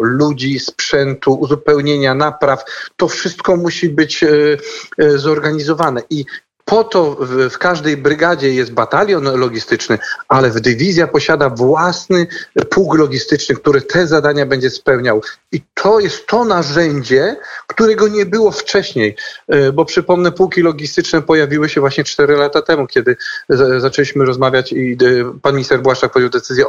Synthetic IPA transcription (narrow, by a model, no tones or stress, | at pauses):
lud͡ʑispʂɛnt̪uːzupɛwɲeɲanapɾaft̪ɔfʂɘst̪kɔmuɕibɘt͡ɕ | zɔɾɡaɲizɔvanɛʔi | pʰɔt̪ɔvfkaʐd̪ɛjbɾɘɡad͡ʑɛjɛst̪̚bat̪alʲjɔnlɔɡʲist̪ɘt͡ʂnɘʔalɛvd̪ɘvʲizʲjapɔɕad̪avwasnɘpʰuwklɔɡʲist̪ɘt͡ʂnɘk̚t̪uɾɛt̪ʰɛzad̪aɲabɛɲd͡ʑɛspɛwɲawit̪ʰɔjɛst̪ʰːɔnaʐɛɲd͡ʑɛkt̪uɾɛɡɔɲɛbɘwɔft͡ʂɛɕɲejbɔpʂɘpɔmnɛpuwkʲilɔɡʲist̪ɘt͡ʂnɛpɔjavʲiwɘɕɛvwaɕɲɛt͡ʂt̪ɛɾɘlat̪at̪ɛmukʲɛd̪ɘzat͡ʂɛlʲiɕmɘɾɔzmavʲjat͡ɕipanmʲist̪ɛɾbwaʂak̚pɔd͡ʑɛwd̪ɛt̪sɘzʲjɛ